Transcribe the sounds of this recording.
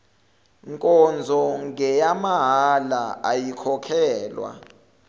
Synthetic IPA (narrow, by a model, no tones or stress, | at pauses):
ŋkʼɔnd͡zʱɔŋɡɛjamaɦalaajikʰɔkʰɛːlwa̰